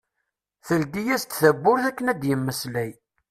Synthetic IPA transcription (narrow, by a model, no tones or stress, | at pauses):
θəld̪ijæst̪θəbːʊɾθækːənæd̪jəmːəslæj